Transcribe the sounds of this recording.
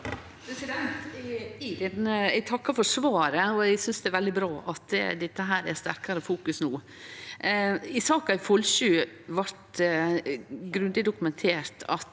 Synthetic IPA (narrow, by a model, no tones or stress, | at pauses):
pʰɾɛsɪd̪ɛnt̪ | d̪ɛnəɛɡt̪ʰɑkːɑɾfɔʂʋɑːɾəɔɛɡsʏnsd̪ɛæɾʋɛld̪ɪbɾɑːʔɑt̪d̪ɪt̪ːəɦæːɾæst̪æɾkɑɾəfuːkʉsnuː | ɪsɑːkɑɪfɔlɕʉːʋɑɾt̪ | ɡɾʉnd̪ɪd̪ʊkʉmɛnt̪ʰeːɾt̪ʰɑt̪